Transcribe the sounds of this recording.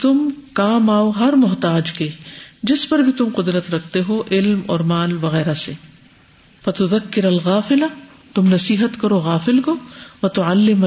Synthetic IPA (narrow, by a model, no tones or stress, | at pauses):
t̪ʊmkaːmaːoɦɐɾmʊɦt̪aːd͡ʒked͡ʒɪspɐɾbʱit̪ʊmqʊd̪ɾət̪ɾɐk̚ʰt̪eɦoʔɪlmɔːɾmaːlʋɐɣɛːɾaseː | fɐt̪ʊðɐkːɪɾɐlɣaːfɪla | t̪ʊmnɐsiːɦət̪kɐɾoɣaːfɪlkoːʋɐt̪ʊʕalːɪm